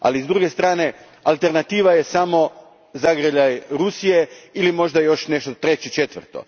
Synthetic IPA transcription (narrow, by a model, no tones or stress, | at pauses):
a̰lizd̪ɾuːɡe̞st̪ɾaːne̞ | alˠt̪e̞ɾnat̪iːʋaje̞samo̞ | zaɡɾəʎajɾusije̞ilimo̞ʒd̪ajo̞ʃne̞ʃt̪ot̪ɾe̞t͡ɕit͡ʃe̞t̪ʋər̩t̪o̞̰